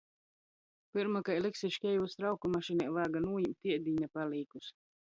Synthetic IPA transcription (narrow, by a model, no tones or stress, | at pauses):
pɨɾmakajlˠiksʲiʃkʲɛjvust̪ɾawkumaʃinʲajlaːɡanuːjimt̪ʲiɛd̪ʲiɲʲapaliːkus